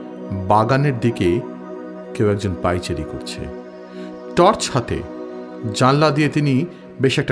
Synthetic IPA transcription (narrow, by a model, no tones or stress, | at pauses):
baɡaneɾd̪ike | kewɛk̚d͡ʑonpajt͡ɕeɾiko̰ɾt͡ɕʰḛ | ʈɔɾt͡ɕhat̪ḛ | d͡ʑanlad̪ijet̪ini | beʃɛk̚ʈa